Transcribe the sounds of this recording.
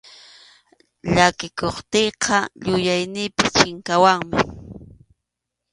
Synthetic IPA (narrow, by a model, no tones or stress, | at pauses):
ʎakɪkoχt̪ejqʰɑʎʊjajnɪjpɪt͡ʃɪŋkawaŋmɪ